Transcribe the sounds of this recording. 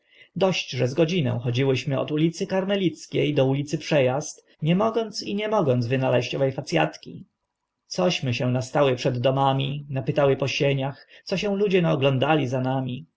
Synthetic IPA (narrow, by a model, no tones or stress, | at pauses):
d̪ɔɕt͡ɕʐɛzɡɔd͡ʑinɛ̰̃w̃xɔd͡ʑiwɘɕmɘɔ̰t̪ulʲit̪sɘkaɾmɛlʲit̪skʲejd̪ɔulʲit̪sɘpʂɛjast̪ | ɲɛmɔɡɔnt̪siɲɛmɔɡɔnd̪zvɘnalɛɕt͡ɕɔvɛjfat̪sʲja̰t̪kʲḭ | t̪sɔɕmɘɕɛ̃nast̪awɘpʂɛd̪ːɔmamʲinapɘt̪awɘpɔɕeɲaxt̪sɔɕɛ̃w̃lud͡ʑɛnaɔɡlɔnd̪alʲizanamʲi